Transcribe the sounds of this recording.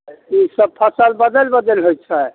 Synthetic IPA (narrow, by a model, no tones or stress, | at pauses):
isəb̚pʰəsəlbəd̪əlbəd̪əlɦojt͡ʃʰɛ